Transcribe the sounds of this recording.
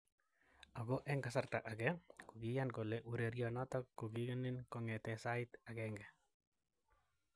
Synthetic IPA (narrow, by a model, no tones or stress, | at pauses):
aɡoʔɛŋkasart̪aʔaɡɛkuɡijankɔlɛʔuɾeɾjɔnɔt̪ɔkːoɡiɡenɪnkɔŋɛt̪ɛsaɪt̪aɡɛŋɡɛ